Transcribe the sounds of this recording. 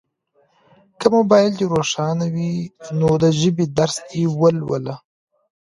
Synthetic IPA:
kəmobɑjɪlt͡ʃeɾoʂɑnawinod̪əʒəbid̪aɾsewəlwə̰la

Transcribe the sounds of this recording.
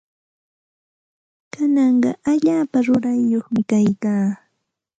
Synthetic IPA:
kanɑɴɢɑ̰ʔaʎaːpaɾʊɾajːoχmɪkajkaː

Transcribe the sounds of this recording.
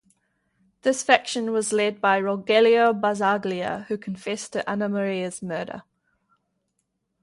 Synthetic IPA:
ðɪsfækʃə̃nwɒzlɛd̚baɪɹɔɡɛliəbazɑːɡliə̰hʉkʰə̃ɱfɛstʰəʔanəməɹiəz̥mɜːɾə̰

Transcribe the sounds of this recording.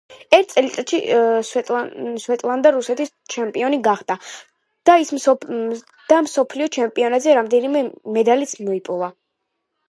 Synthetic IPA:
ɛɾt̪̚tsʼɛlit̪sʼat̪ʃi | ʃwɛt̪ʼlˠand̪aɾusɛt̪ʰis | t͡ʃʰɛmpʼiɔniɡaχd̪a | d̪̥ais | d̪̥amsɔpʰliɔt͡ʃʰɛmpʼiɔnad̪zɛɾamd̪ɛnimɛmɛd̪alit̪sʰmɔipʼulˠa

